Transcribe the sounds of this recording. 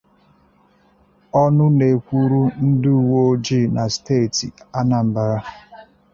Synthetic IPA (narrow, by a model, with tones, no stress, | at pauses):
ɔ˦nʊ˦ne˨kʷu˦ɾu˦n̩˦du˦˨wo˦o˦d͡ʒi˦˨na˨steː˦˨tḭ˨a˦na˨m̩˨ba˨ɾa˦